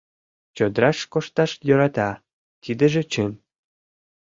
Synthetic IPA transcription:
t͡ɕod̪ɾɑʃkoʃt̪ɑʃjɤ̆ɾɑt̪ɑ | t̪id̪ə̆ʒĕt͡ɕən

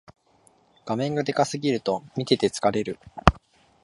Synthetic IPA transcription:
ɡ̥amẽ̞ŋɡad̪e̞kasɨɡʲiɾɯ̟t̪o̞mʲit̪e̞t̪e̞t͡sɨ̥kaɾe̞ɾɯ̟

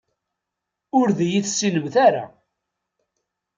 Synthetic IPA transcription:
ʊɾðijiθsːinəmθaɾa̰

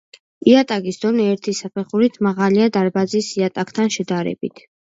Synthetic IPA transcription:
iat̪ʼakʼisd̪ɔniɛɾt̪ʰisapʰɛχuɾit̪ʰmaʁaliad̪aɾbazisiat̪ʼakʰʼt̪ʰanʃɛd̪aɾɛ̰bit̪ʰ

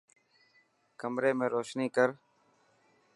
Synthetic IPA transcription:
kəmɾeːmẽːɾoːʃniːkəɾ

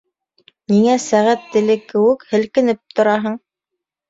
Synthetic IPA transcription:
niŋæsæʁæt̪ːɘ̆lɘkɘ̆wɘkhɘ̆lkɘ̆nɘp̚t̪ŏɾɑɦɤɴ

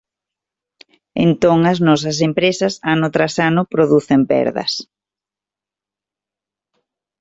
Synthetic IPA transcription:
ḛnt̪oŋɐznɔs̬ɐs̬empɾesɐsanʊt̪ɾasanʊpɾoðuθempɛ̰ɾðɐ̰s

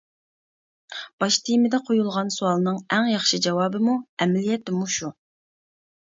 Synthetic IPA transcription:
b̥ɑʃt̪ʰimɪd̪ɛqʰojulˠʁɑnsuɑlˠɨnɨŋæŋjɑχʃid͡ʒɑwɑːbɨmuɛmɛlijɛt̪ːɪmuʃu

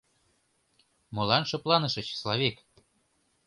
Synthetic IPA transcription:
mɤ̆lˠɑnʃɤ̆plˠɑnɤ̆ʃɤ̆t͡ɕi̥slɑβek

